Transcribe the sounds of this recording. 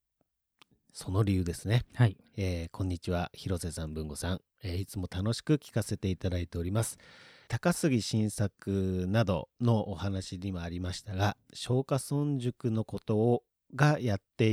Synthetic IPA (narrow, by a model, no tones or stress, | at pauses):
so̞no̞ɾʲijɯ̟ːd̪e̞sɨne̞ieːkʰõ̞ɲ̟ːit͡ɕiβ̞açiɾo̞se̞sãmbɯ̟̃ŋɡo̞sãŋ | eːit͡sɨmo̞t̪ano̞ɕi̥kɯ̟kʲi̥kase̞t̪e̞it̪ad̪ait̪e̞o̞ɾʲimasɨ̥t̪akasɨɡʲiɕĩɰ̃sakɯ̟nad̪o̞̰no̞ʔːhanaɕiɲimoaɾʲimaɕi̥t̪aɡaɕo̞ːkasõ̞ɲ̟d͡ʑɨkɯ̟no̞ko̞t̪o̞ː | ɡajat̪ːe̞